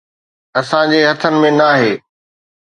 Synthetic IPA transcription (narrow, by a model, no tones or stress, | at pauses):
ɐsãd͡ʑeːɦɐt̪ʰənɪ̆mẽnaːɦeː